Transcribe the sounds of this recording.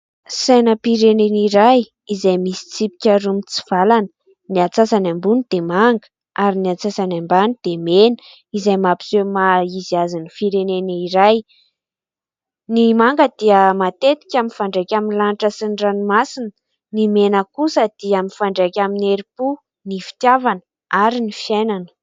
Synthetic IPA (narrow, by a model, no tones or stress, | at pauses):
sajnəpiɾeneniɾaj | izajmisi̥t͡sipi̥kʲaɾumit͡siv̥alanə̥ | niat͡sasanambunid̪̥emaŋɡə̥ | aɾiniat͡sasanambanid̪̥emenə̥ | izajmapi̥zemaiziazanifiɾeneniɾaj | nimaŋɡəd̪iəmat̪et̪i̥kʲaminfaɳɖ͡ʐekʲaminlaniʈ͡ʂəsiɳɖ͡ʐanimasinə | nimenəkusəd̪̥iamifaɳɖ͡ʐekʲamineɾipu | nifi̥t̪javanə | aɾinifiajnanə̥